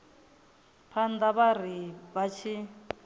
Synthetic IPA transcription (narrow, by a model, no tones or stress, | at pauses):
pʰand̪aβaɾ̤iβat͡ʃʰi